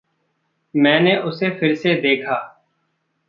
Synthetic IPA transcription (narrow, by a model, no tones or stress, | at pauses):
mɛ̃ːneːʔʊseːpʰɪɾseːd̪eːkʰaː